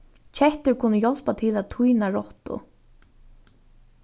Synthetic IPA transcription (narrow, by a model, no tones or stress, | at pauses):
t͡ʃʰɛht̪ʏɾkʰʊnːəjɔl̥pat̪ʰɪlat̪ʰujnaɹɔht̪ʊ̰